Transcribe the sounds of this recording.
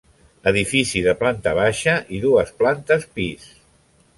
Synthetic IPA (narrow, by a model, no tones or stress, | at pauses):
əðifisiðəplant̪əβ̞aʃəʔiðuəsplant̪əspis